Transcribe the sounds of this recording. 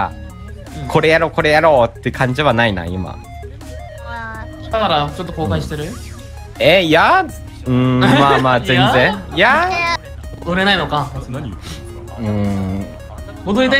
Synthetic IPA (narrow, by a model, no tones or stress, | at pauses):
a̰ | kʰo̞ɾe̞jaɾo̞ːko̞ɾe̞jaɾo̞ːt̪ːe̟kãɲ̟d͡ʑiβanaina̰ḭma̰ | t̪anaɾat͡ɕot̪ːokoːkaĩɕi̥t̪e̞ɾɯ̟ | eja | ɯ̟̃mamaːzenzẽja | od̪oɾe̞naino̞ka | ɯ̟̃ | ɡod̪oɾid̪a